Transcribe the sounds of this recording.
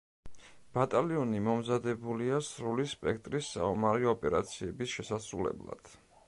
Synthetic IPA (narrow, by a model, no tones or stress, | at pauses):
b̥at̪ʼaliɔnimɔmzad̪ɛbuliasɾulispʼɛkʰt̪ʼɾisːa̰ɔmaɾiɔpʼɛɾa̰t̪sʰiɛbisʃɛsasɾulɛ̰blˠa̰d̪̥